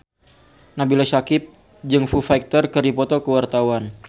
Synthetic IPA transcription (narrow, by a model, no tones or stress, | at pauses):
nabilasakɪp̚ | d͡ʒɨŋfufajk̚t̪ərkɨrdipɔt̪ɔkəwart̪awan